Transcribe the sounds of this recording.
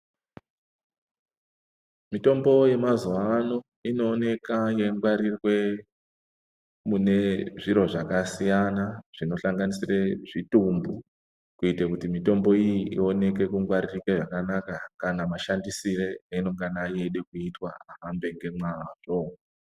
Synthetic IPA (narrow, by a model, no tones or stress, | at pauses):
mito̞mbo̞je̞mazuwano̞ | ino̞ːne̞kaje̞ŋɡwaɾirwe̞ | mune̞ʐiɾo̞ʐakasijanaʐ̥ino̞ɬaŋɡanisireʐitumbu | kuitekutimito̞mbo̞ijiʔio̞ne̞k̬e̞kuŋɡwaɾirikweʐakanakakanamaʃandisiɾe̞ino̞ŋɡanaje̞ɗe̞kuitwa̰aɦambe̞ŋɡe̞mwaːʐ̥o̞